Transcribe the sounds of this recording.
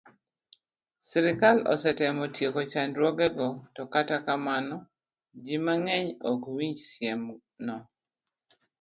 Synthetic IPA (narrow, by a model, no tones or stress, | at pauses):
siɾɪkalɔ̰sɛtɛmɔtjekot͡ʃandɾwɔɡɛɡɔtɔkatakamanɔ | d͡ʒimaŋɛɲɔkwiɲd͡ʒsjɛm | nɔ